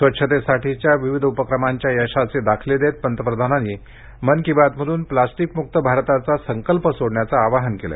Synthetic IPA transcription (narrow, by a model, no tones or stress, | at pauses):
sʋətɕʰət̪esaʈit͡ɕjaʋiʋid̪ʱupəkɾəmaɲt͡ɕjajəɕat͡sed̪akʰled̪et̪̚pənt̪əpɾəd̪ʱananiː | mənkibat̪m̤əɽuːnplasʈikmuk̚t̪əbʱaɾt̪at͡sasəŋkəlpəsoɽɳjat͡saːʋaɦənkela̰